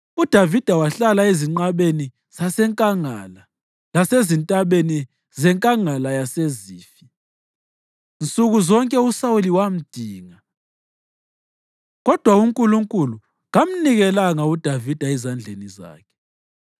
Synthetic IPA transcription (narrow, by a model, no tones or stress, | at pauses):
ud̥ʱavid̥ʱawaɬalaeziŋ͡ǀaɓeni | z̥asɛŋkʼaŋala | lasezintʼaɓeni | zɛŋkʼaŋalajaseziːfi̥ | nt͡sʼuɣuzɔŋkʼɛusawuliwam̩d̥ʱiːŋa | ɣɔd̥ʱwauŋkʼuluŋkʼulu | ɣam̩niɣɛlaŋaud̥ʱavid̥ʱaɛzand͡ɮʱeniza̰ːkʰɛ̥